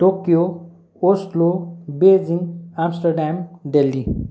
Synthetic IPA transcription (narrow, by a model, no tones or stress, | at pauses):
ʈokijo | osʈlobed͡ziŋamsʈəɾɖamɖelːi